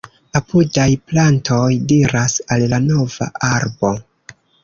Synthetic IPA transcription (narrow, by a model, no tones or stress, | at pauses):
apudajplantʰo̞jdiɾasallano̞va̰ʔaɾbo̞